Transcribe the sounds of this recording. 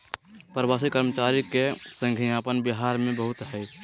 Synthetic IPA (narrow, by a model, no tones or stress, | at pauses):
pɾəwaːs̬ikəɾmət͡ʃaːɾikesə̃ŋɡʱiaːpənbɪɦaːɾmẽbəɦʊt̪ɦɛ